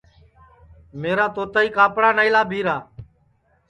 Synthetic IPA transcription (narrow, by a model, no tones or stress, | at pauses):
meːɾaːt̪oːt̪aːiːkaːpɽaːnaːiːlaːbʱiːɾaː